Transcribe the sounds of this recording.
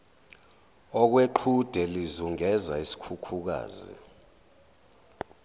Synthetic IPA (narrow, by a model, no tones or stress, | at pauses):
ɔk̬weǃʰud̥ʱɛlizuŋɛzaisi̥kʰukʰuk̬a̰ːzḭ